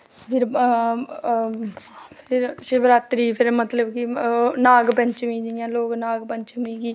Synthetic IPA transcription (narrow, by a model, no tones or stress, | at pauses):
pʰɪɾ | pʰɪɾʃɪbɾaːt̪ɾiːpʰɪɾmət̪ləbkinaːɡpəɲt͡ʃmĩːd͡ʒijãːloːknaːɡpəɲt͡ʃəmĩːɡiː